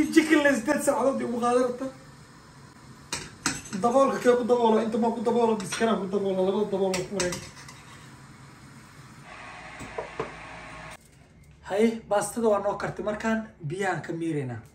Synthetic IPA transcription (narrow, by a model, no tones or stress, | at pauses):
t͡ʃɪkʰɪlːɛs̬ɪd̪ɛːd̪sɐɾʕɑðɔːd̪ɛʊɣʊqɑːðɛɾɐt̪ʰɐ | d̪ɐβɔːlkʰɐkʰɛːkʰʊd̪ɐβɔːlɐɪnt̪ʰɐmɐkʰʊd̪ɐβɔːlɐmɐskʰɐɾaːŋkʰʊd̪ɐβɔːlalɐβɐðɐd̪ɐβɔːlwɔkmɾɛjn | hɐjɪbaːst̪ʰɐðɐwaːnɔːkʰɐrt̪ʰɛmɐrkʰaːnbɪjaaːŋkʰɐmiːɾɛjna̰ː